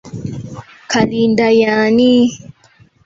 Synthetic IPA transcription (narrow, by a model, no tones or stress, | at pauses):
kalindajaani